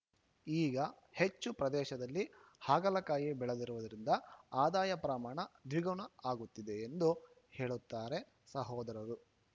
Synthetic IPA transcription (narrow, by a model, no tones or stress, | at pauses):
iːɡɐ | he̞t͡ʃːupɾɐd̪ɛːʃɐd̪ɐlːihaːɡɐlɐkaːjibɛɭed̪iɾuʋud̪ɐɾind̪ɐaːd̪aːjɐpɾɐmaːɳɐd̪ʋiɡɐɳɐaːɡut̪ːid̪eːnd̪u | he̞ːɭut̪ːaːɾe̞ | sɐɦɔːd̪ɐɾɐɾu